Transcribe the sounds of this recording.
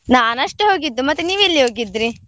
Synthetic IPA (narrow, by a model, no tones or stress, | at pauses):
naːnɐʂʈuɦo̞ːɡid̪ːumɐt̪ːuniːʋilːiɦo̞ːɡid̪ːɾi